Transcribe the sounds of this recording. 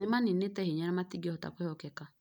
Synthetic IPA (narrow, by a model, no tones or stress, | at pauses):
emaninetɛheɲanɛmatiɡɔhɔta̰kwehɔkɛka